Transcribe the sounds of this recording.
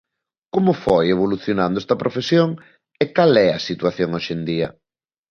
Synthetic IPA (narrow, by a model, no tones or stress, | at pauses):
komʊfojeβ̞oluθjonand̪oɛst̪ɐpɾʔofesjoŋ | ekalɛɐsit̪waθjoŋoʃend̪iɐ̰